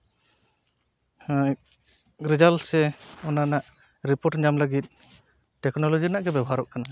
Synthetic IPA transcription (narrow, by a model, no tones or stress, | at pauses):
ɾid͡ʒalsɛɔnanaʔ | ɾipɔʈɲamləɡit̪̚ | ʈɛknɔlɔd͡ʒinaʔɡɛbɛbʱɦaɾɔʔkana